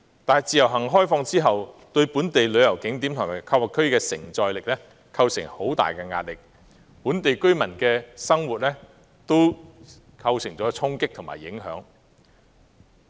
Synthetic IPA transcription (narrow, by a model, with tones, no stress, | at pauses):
t̪aː˨nɦɐ˨˩jt͡siː˨jɐ˨˩wɦɐ˨˩ŋɦɔː˥jfɔː˧ŋt͡siː˥ɦɐ˨w | t̪ɵ˧ɥpuː˨˥nt̪e˨jlɵ˨˧ɥjɐ˨˩wkɪ˨˥ŋt̪iː˨˥mt̪ʰŋmaː˨˩jkʰɐ˧wɐ˨˩kʰːɵ˥ɥkɛː˧sɪ̰˨˩ŋt͡sɔː˨jlɪ˨k̚lɛ˥ | kʰɐ˧wsɪ˨˩ŋho˨˥wt̪a̰ː˨jkɛː˧ŋa̰ː˧t̚lɪ˨k̚ | puː˨˥nt̪e˨jkɵ˥ɥmɐ˨˩nkɛː˧sɐ˥ŋwuː˨t̚lɛː˥ | t̪o˥w | kʰɐ˧wsɪ˨˩ŋt͡sɔː˨˥t͡sʰʊ˥ŋkɪ˥k̚t̪ʰʊ˨˩ŋma̰ː˨˩jɪ˨˥ŋɦœ̰ː˨˥ŋ